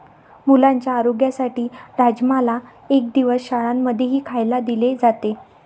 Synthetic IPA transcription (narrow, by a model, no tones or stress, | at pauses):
mulãɲt͡ɕjaːɾoɡjasaʈiːɾad͡ʑmala | ek̚d̪iʋəsɕaɭamːəd̪ʱjeɦiːkʰajlad̪iled͡zat̪e